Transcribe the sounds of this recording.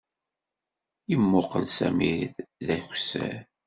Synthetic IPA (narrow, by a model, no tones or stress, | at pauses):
imːʊqːəlsæ̰miɾiððæçsæ̰ɾ